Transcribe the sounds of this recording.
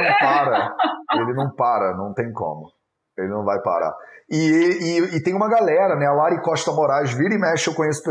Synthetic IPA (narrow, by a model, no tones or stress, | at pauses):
ɐ̃w̃paɾɐelɪnɐ̃w̃paɾɐnɐ̃w̃t̪ẽj̃kõ̰mʊ | elɪnɐ̃w̃vajpa̰ɾa̰ɪɪɪt̪ẽj̃ũmɐɡalɛɾɐnɛalaɾikɔʃt̪ɐmoɾaʒɪ̃viɾĩmɛʃewkõɲesʊ̥pe